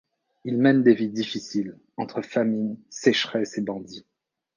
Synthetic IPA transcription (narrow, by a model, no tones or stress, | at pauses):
ilmɛnd̪evid̪ifisil | ɑ̃t̪χəfamijsɛʃχɛsebɑ̃d̪i